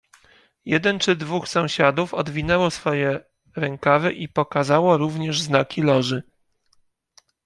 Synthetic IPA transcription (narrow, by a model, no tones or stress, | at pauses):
jɛd̪ɛnt͡ʂɘd̪vuxsɔ̃w̃ɕad̪ufɔd̪vʲinɛwɔsfɔjɛ | ɾɛŋkavɘʔipɔkazawɔɾuvɲɛʐznakʲʰilɔʐɘ